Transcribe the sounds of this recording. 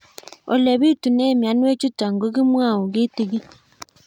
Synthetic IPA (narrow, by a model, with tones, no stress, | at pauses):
o˨le˨βi˦tu˨neː˦mja˨nwe˦t͡ʃu˦ta˨ŋɡo˦ɣi˦mwa˦˨o˨ɣi˦ti˨ɣi˦